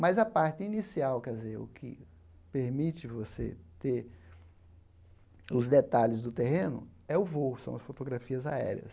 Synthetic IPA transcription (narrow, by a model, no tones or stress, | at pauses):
mɐzɐpaɾt̪ɪinisiawkɛzeʊ̰kʰɪ̰ | peɾmit͡ʃɪvosḛt̪e | ʊzd̪et̪alɪzd̪ʊt̪eɦẽnʊ̰ɛʊvosɐ̃w̃ɐsfot̪oɡɾafiɐza̰ɛ̰ɾḭɐ̰s